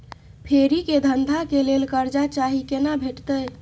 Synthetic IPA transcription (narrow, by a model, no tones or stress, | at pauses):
pʰeɾiked̪ʱənd̪ʱakelelkəɾd͡ʒat͡ʃaɦikenabʱeʈt̪əj